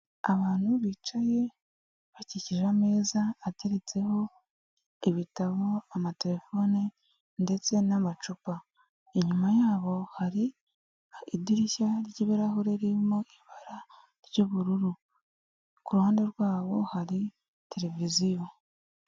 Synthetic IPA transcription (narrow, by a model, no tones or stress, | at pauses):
aβaːn̥huβiːt͡ʃaje̞ | βaciciʒame̞ːzaːte̞ɾet͡se̞ho̞ | iβitaβo̞amate̞ɾe̞fo̞ni | nde̞t͡se̞namat͡ʃupa | eɲumajaːβo̞haɾi | idiɾiçaɾɟiβiɾahuɾeɾimoiβaɾa | ɾɟoβuɾuɾu | kuɾuhaːnde̞ɾɡwaːβo̞haɾi | te̞ɾe̞vizijo̞